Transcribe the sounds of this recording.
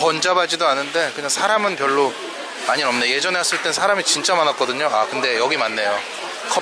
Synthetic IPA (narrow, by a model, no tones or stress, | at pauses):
ʌnd͡ʑabad͡ʑidoanːɯnde̞kɯɲaŋsʰaɾamɯnpjʌɭːo | maɲinʌmneje̞d͡ʑʌneɦas͈ɯɭt͈e̞nsʰaɾamit͡ɕint͡ɕ͈amanak͈ʌdɯɲoakɯnde̞jʌɡimanːe̞jo | kʰʌ